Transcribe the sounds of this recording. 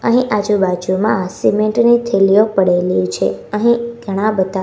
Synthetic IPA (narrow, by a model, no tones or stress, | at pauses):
əɦĩʔad͡ʒubad͡ʒumãasimeɳʈnit̪ʰelijopəɽeljũt͡ʃʰeəɦĩɡ̥ʱəɽ̃ãbət̪a